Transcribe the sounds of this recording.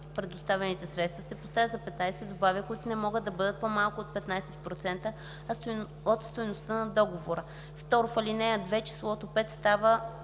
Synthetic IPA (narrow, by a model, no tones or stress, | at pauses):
pɾɛd̪ʊst̪avɛnit̪ɛsɾɛt̪st̪vɐsɛpost̪avʲət̪zɐpɛt̪najsɛd̪obavʲikʊit̪ʊnɛmɔɡəd̪ːɐbɤd̪ət̪̚pomalˠkʊot̪̚pɛt̪najsɛt̪̚pɾot̪sɛnt̪ə | ɐ | ot̪st̪ojnost̪ənɐd̪ɔɡovoɾə | ft̪ɔɾʊfɐlinɛd̪vɛt͡ʃi̥slˠɔt̪opɛt̪st̪avə